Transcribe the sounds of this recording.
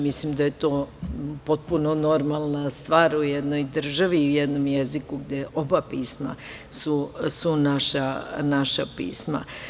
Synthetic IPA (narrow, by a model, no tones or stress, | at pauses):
mislimd̪aje̞t̪o̞ːpo̞t̪̚puno̞no̞ɾmalˠnast̪ʋaːɾujed̪no̞jd̪r̩ʒaʋiujed̪nomjezikuɡd̪eʔo̞bapiːsma̰ | susunaʃanaʃapḭːsma̰